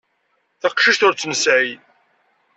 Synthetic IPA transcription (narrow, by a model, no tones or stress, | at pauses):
θɑqʃəʃt̪ʊɾt͡sːməsʕi